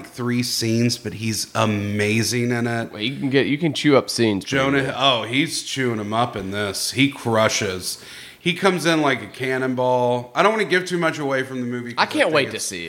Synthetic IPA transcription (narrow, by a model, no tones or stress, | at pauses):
k̚θɹisĩnzb̥ʌt̚ɦizəmeɪzɪ̃ŋɪ̃nɪt̚wɛ̰jɨkn̩ɡɛʔjɨkɨ̃nt͡ʃʰʉʌpsĩnz̥ʒ̥õʊ̃nɨoʊɦiz̥t͡ʃʰʉɪ̃ŋɨ̃mʌpɨ̃nðɪshikʰɹ̥ʌʃɪz̥ | hikʰʌ̃mzɪ̃nlaɪkɨkʰænɨ̃nbɔlˠaɪɾõʊ̃nwɑ̃nɨɡɪv̥tʰʉmʌt͡ʃəweɪfɹʌ̃mðɨmʉviaɪkʰæ̃nʔweɪtɨsḭ